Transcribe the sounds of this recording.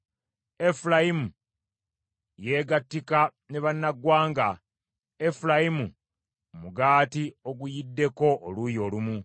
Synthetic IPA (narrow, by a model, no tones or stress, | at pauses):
e̞fulajimu | je̞ːɡatːika | ne̞βanːaɡwaːŋɡa | e̞fulajimu | muɡaːtio̞ɡujidːe̞ko̞ʔːlujo̞ːlumu